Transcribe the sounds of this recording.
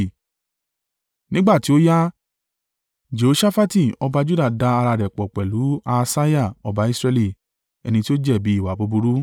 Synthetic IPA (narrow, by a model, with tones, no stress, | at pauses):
nĩ˦ɡ͡ba˦˨ti˨˦o˦ja˦ | d͡ʒe˨o˨˦ʃa˦fa˦ti˦˨ɔ˦ba˧d͡ʒu˦da˦˨da˧a˧ɾa˧ɾɛ˨k͡pɔ˨k͡pɛ˨lu˨˦a˧sa˦ja˦˨ɔ˨ba˨˦i˦sɾɛ˧li˧˨ | ɛ̰˧nĩ˧ti˦o˦d͡ʒɛ˦˨bi˨˦i˦˨wa˨bo˧bu˧ɾu˦